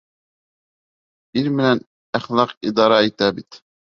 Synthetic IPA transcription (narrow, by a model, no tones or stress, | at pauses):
iɾmɘ̆næn | æχlˠɑqid̪ɑɾɑit̪æbit̪